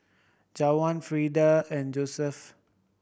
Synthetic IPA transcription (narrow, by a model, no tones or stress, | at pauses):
d͡ʒawãnfɹidəɛ̃nd͡ʒosɛf